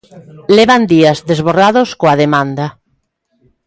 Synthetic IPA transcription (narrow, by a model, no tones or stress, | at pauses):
leβand̪iazðezβoraðoskoaðemãnd̪a